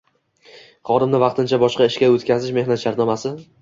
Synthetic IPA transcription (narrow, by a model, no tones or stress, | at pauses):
χɒd̪ɪmnɪvɑq̚t̪ʰɪnt͡ʃʰabɒʃqɑɪʃkʲaot̪kʲʰazɪʃme̞hnat̪ʃaɾt̪nɒmasɪ